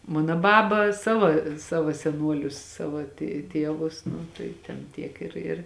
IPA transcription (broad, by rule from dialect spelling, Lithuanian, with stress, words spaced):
ˈmɑːnoː ˈbɑːbɐ ˈsɑːʋoː ˈsɑːʋoː sʲɛˈnuɔlʲʊs ˈsɑːʋɐ tʲeː ˈtʲiɛʋʊs ˈnʊ tɐɪ tʲɛn ˈtʲiɛk ɪr ɪr